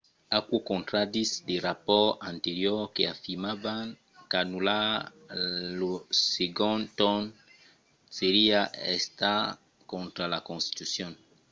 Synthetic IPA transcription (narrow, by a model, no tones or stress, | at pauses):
akwokõnt̪ɾad̪isd̪eɾapɔant̪eɾjɔkeafiɾmavaŋ | kanula | loseɡont̪on | seɾiaʔḛst̪a | kõnt̪ɾalakõnst̪i̥t̪usjon